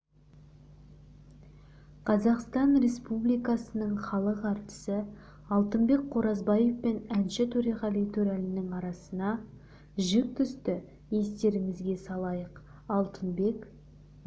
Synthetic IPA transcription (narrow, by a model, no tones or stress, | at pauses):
qʰɑzɑqst̪ɑnɾe̞spublijkɑsənəɴχɑlˠəqɑɾt̪ə̥sə | ɑlˠt̪əmbe̞k̚qʰoɾɑzbɑje̞fpe̞nænʃɪt̪ʰɵɾeʁɑlˠijt̪ʰʉɾælɪnɪŋɑɾɑsənɑ | ʒɪk̚t̪ʰʏst̪ɪ | je̞st̪e̞ɾɪmɪzɡʲe̞sɑlˠɑjəq | ɑlˠt̪ənbe̞k